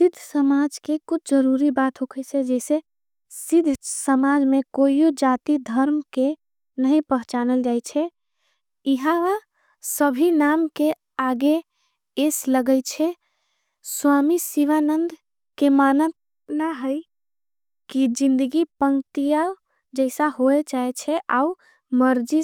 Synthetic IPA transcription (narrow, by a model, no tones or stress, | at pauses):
sid̪ʱːsəmad͡ʒkekut͡ʃʰd͡ʒəɾuɾibat̪ɦokʰɛt͡ʃʰɛd͡ʒɛse | sid̪ʱsəmad͡ʒmekoiod͡ʒat̪id̪ʱəɾmke | nəɦĩpəɦt͡ʃanəld͡ʒajt͡ʃʰɛ | iɦãʋa | səbʱinamke | aɡe | esləɡəjt͡ʃʰɛ | swamisiʋanənd̪ʱ | kemanət̪ | naɦəj | kid͡ʒind̪əɡipəŋt̪ija | d͡ʒəɪsaɦoet͡ʃaɛt͡ʃʰɛʔau | məɾd͡ʒi